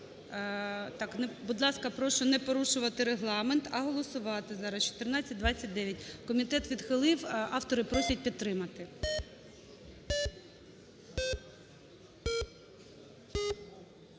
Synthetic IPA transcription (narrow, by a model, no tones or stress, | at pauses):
t̪ɑknɛbud̪lˠɑskɐpɾɔʃɔnɛpɔɾuʃʊʋɐt̪ɪɾeɦlˠɑment̪ɐɦɔlˠɔsʊʋɑt̪ɪzɑɾɐst͡ʃɔ̥t̪ernɑt͡sʲːɐt̚ʲd̪ʋɑt͡sʲːɐt̚ʲd̪ɛʋʲjɐtʲkɔmʲit̪ɛt̪ʋʲid̪xɪlˠɪwɑft̪ɔɾɪpɾɔsʲɐt̚ʲpʲid̪̚ɾɪmɐt̪ɪ